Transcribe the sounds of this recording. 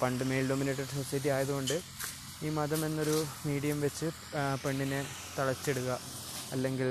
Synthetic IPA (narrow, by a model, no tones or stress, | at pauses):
pɐɳɖɨmejlɖomineːʈːɐɖsosɐjɐʈːiaːjɐðuɣo̞ɳɖɨ | iːmɐðɐme̞nːo̞ɾumiːɽijɐmʋet͡ɕːɨ | pe̞ɳːinɨ | t̪ɐɭɐt͡ɕːe̞ɽuɣɐ | ɐlːe̞ŋɡil